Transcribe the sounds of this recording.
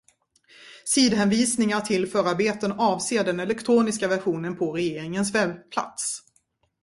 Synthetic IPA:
siːd̪ɦɛnviːsnɪŋaʈʰɪlfœːɾaɾbeːt̪ənɑːvseːɖɛnɛlɛkt̪ʰɾuːnɪskavæɧuːnənpʰɔɾɛjeːɾɪŋənsvɛbpʰla̰t̪s

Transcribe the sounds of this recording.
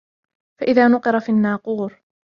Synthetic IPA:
faʔɪðaːnʊqɨɾˤɑfinːaːquːɾ

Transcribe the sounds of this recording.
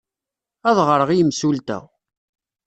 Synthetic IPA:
æðʁəɾəʁijmsult̪æ̰

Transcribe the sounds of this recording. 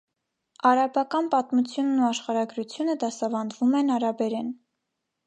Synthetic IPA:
ɑɾɑbɑkɑnpɑt̪mut͡sʰjunːuɑʃχɑɾɑɡɾut͡sʰjunəd̪ɑsɑvɑnd̪vumɛnɑɾɑbɛɾɛn

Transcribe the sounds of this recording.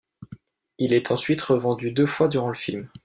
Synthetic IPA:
ilɛt̪ʰɑ̃sɥit̪ʁəvɑ̃d̪yd̪øfwad̪yʁɑ̃ləfilm

